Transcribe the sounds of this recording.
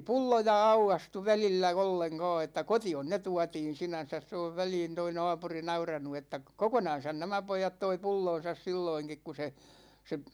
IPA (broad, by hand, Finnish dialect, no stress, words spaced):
pulːojɑ ɑukɑstu ʋælilːæ olːeŋkɒː etːæ kotion ne tuɑtiːn̞ sinæn̞sæs se oʋ ʋæliːn toi nɑ̝ːpuri nɑurɑnu etːæ kokonɑn̞sɑn næmæ poijɑt toi pulːõːsɑs silːoiŋkik ku se se